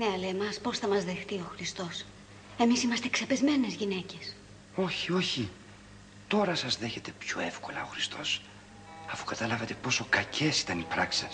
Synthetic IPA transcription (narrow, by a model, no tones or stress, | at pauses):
neɐleːmɐspo̞sθɐmɐzðexθioxɾist̪o̞s | e̞misimɐst̪e̞kse̞pe̞zme̞ne̞zʝine̞ce̞s | o̞çio̞çi | t̪o̞ɾɐsɐzðe̞çet̪e̞pço̰efkolɐ̰oxɾist̪ʰo̞s | ɐfu̥kɐt̪ɐlɐvɐt̪e̞po̞so̞kɐcʰe̞si̥t̪ɐnipɾɐkse